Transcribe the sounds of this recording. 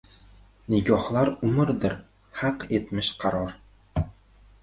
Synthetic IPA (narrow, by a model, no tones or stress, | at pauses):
nɪɡʲɒhlˠaɾʊmɪɾd̪ɪɾ | hɑqet̪mɪʃqʰɑɾɒɾ